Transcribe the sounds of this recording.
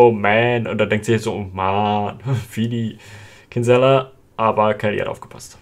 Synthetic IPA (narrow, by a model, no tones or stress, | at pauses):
omɛnʊ̰nt̚d̥adɛŋ̚tz̥ɪçaz̥oʔomanfidi | kʰɪnzɛlɐ | ʔaːbɐkʰɛlḭha̰tʔa̰ʊfɡ̥ə̥pʰast